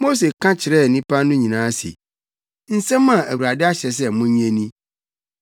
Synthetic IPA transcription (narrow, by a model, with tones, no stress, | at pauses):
mo˦s̬e˨kʰã˦t͡ɕʰɪ˨ɾɛ˦˨nĩ˦pa˦nʊ̃˦ɲĩ˨nãː˨˦sḭ˨ | n̩˦sɛ̃˦mã˨ʔæ˨wu˨ɾa˨dɪ˦a˦ɕɛ˨s̬ɛ˦mʊ̃˦ɲ˦ɛ̃˦nĩ˦